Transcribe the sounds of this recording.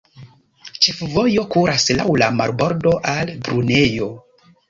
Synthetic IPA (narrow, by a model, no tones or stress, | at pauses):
t͡ʃe̞fvo̞jo̞kuɾaslawlama̰ɾbo̞ɾdo̞ʔalbɾune̞jo̞